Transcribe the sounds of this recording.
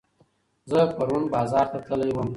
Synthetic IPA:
zəpaɾunbɑːzɑːɾt̪at̪əlajwəm

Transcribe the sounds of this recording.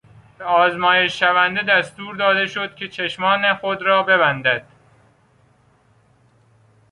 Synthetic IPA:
beɒːzmɒːje̞ʃːævænd̪e̞d̪æst̪uːɾd̪ɒːd̪e̞ʃod̪̥̚cʰʲe̞t͡ʃʰeʃmɒːnexod̪ɾɒːbe̞βænd̪æd̪̥

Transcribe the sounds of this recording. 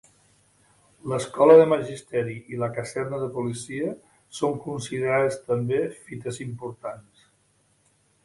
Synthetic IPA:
ləskɔləðəməʒist̪ɛɾiʔiləkəzɛrnəðəpulisiə | soŋkunsiðəɾaðəst̪əmbefit̪əzimpuɾt̪ans

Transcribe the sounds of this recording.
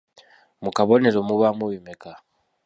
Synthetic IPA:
mukaβɔneɾɔmuβamuwimɛka

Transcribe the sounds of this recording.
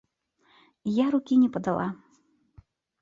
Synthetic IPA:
ijaɾukʲinʲɛpɐd̪alˠʔa

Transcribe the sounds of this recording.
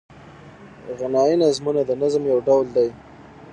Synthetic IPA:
ɣanɑinazmunad̪ənazmjawɖawld̪aj

